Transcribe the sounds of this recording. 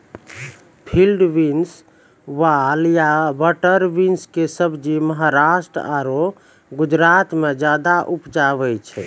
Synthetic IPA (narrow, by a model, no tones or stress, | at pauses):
pʰilɖʋins | ʋaljabəʈəɾʋinskesəbd͡ʒiməɦaɾaʃʈɾə̰aɾo | ɡud͡ʒɾat̪med͡ʒjad̪aʔupd͡ʒaβɛjt͡ʃʰɛ̰